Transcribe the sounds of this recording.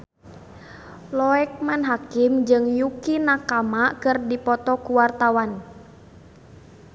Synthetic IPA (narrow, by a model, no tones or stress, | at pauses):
lɔɛk̚manɦakɪmd͡ʒɨŋjukinakamakɨrdipɔt̪ɔkuwart̪awan